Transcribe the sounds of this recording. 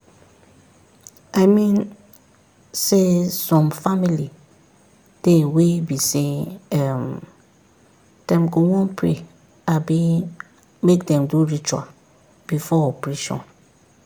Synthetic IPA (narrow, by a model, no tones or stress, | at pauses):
ʔaɪmĩn | sesɔ̃mfamili | d̥ewebiseɛm | d̥ɛ̃mɡowɔ̃npʰɹe | abi | mekdɛ̃mduɹit͡ʃua̰ | b̥ifɔɔpɹiʃɔ̰̃n